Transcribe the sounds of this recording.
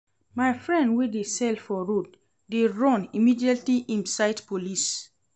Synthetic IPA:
majfɹɛ̃ndwidesɛlfɔɹod | deɹɔ̃nimidiatliʔĩnsaɪdpolis

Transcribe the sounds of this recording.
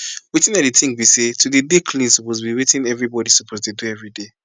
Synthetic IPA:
wetĩnadetʰĩŋbisetʰudedekʰlĩnsupozbiwetĩnɛvɹibɔdisupʰoztuduɛvɹide

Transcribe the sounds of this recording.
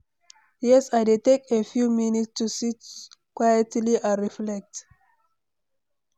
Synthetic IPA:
jɛsaɪdetekefjuminitstusit͡ʃkwajətliʔaɹiflɛk̚t

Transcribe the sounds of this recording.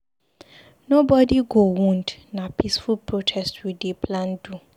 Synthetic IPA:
nobɔdiɡowɔ̃ndnãpʰisfulpʰɹotʰɛstwidepʰlãnd̥u

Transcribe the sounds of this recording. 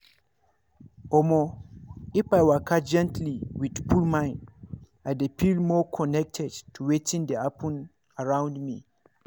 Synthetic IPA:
ɔmɔ | ifajwakʰad͡ʒɛ̃ntʰliwid̥pʰulmãɪ̃n | ajdepʰilmɔkʰɔnɛk̚tʰɛdtʰuwetʰĩndɛapʰɔ̃n | aɹãw̃ndmḭ

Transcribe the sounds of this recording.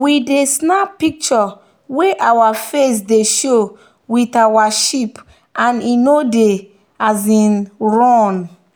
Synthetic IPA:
widesnapik̚t͡ʃɔ | weʔawafes̬deʃo | witawaʃip | ãninode | azĩnɹɔ̃n

